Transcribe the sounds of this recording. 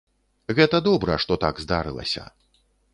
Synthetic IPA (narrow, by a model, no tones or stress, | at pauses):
ɣɛt̪ɐd̪ɔbɾɐʂt̪ɔt̪aɡzd̪aɾɨ̰lˠɐ̰sʲɐ̰